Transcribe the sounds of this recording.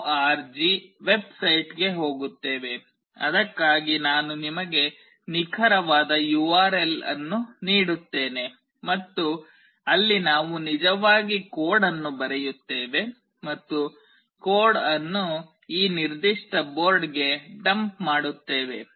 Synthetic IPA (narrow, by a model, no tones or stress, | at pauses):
aːɾd͡ʒiʋe̞bsɐjʈɡe̞ɦo̞ːɡut̪ːe̞ːʋe̞ | ɐ̰d̪ɐkːaːɡinaːnunimɐɡe̞ | nikʰɐɾɐʋaːd̪ɐjuːaːɾe̞lɐ̰nːuniːɽut̪ːe̞ːne̞ | mɐt̪ːu | ɐlːinaːʋunid͡ʒɐʋaːɡikoːɽɐnːubɐɾɛjut̪ːe̞ːʋe̞ | mɐt̪ːu | koːɽɐnːu | iːniɾd̪iʂʈɐbo̞ːɾɖɡe̞ɖɐmpmaːɽut̪ːe̞ːʋe̞